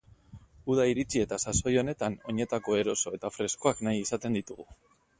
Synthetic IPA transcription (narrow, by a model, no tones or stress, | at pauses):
uð̞aiɾit͡sie̞t̪asaso̞jo̞ne̞t̪ano̞ɲe̞t̪ako̞e̞ɾo̞so̞e̞t̪afɾe̞skoaknajisat̪e̞nd̪it̪uɣu